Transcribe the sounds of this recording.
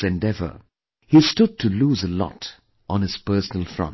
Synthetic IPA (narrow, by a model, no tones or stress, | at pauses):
ɨ̃ndɛvə̰˞ | histʊd̚tʰuluːzəlɔ̰t | ʔɔ̃n̩ɨz̥pɜ˞sənəl̩ˠfɹʌ̰̃n